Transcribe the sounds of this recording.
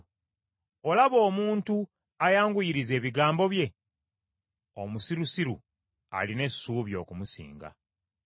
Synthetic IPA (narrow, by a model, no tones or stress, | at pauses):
o̞laβo̞ːmuːntu | ajaːŋɡujiɾize̞ːβiɡaːmbo̞βje̞ | o̞̰musiɾusiɾṵ | a̰line̞sːuːβjo̞ːkumusḭːŋɡa̰